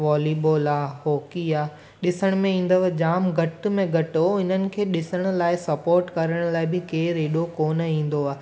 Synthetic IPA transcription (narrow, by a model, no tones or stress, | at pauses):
ʋɔːliːboːlaːɦoːkiaː | ɗɪsəɽ̃mẽĩːn̆d̪əʋd͡ʑaːmɡʱɐʈ̆mẽɡʱɐʈoɪnənɪ̆kʰeːɗɪsəɽ̃ʊ̆laːɪsɐpoːɾʈkɐɾəɽ̃laːɪbɪkeːɾeːɗokoːnəĩːn̆d̪oaː